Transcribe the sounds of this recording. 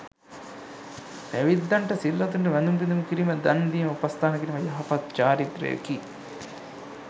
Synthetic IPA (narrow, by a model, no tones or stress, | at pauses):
ʋeʋid̪ːɐɳʈɐsilːɐt̪uɳʈɐʋɐnd̪umpind̪umkiɾimɐd̪ɐnd̪iːmupɐst̪ʰaːnɐkiɾimɐjɐɦɐpɐt̪̚t͡ʃaːɾit̪ɾḛːki